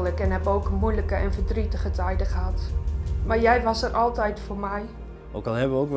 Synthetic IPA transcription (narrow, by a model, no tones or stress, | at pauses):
ləkɛnɦɛboːkmujləkəʔɛnfədritəχətɛjdəχəɦatmarjɛjʋɑsərʔɔlˠtɛjtformɛj | ʔowkɔlˠɦɛbəʋəowk